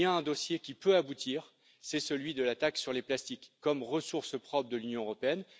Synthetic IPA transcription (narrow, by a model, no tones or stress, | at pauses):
jãɛ̃d̪osjekʲipøabut̪ʰiːʁ | sɛsəlɥid̪əlat̪aksyʁleplast̪ikːɔmʁəsuʁspχɔpχd̪əlynjɔ̃øʁɔpeɛn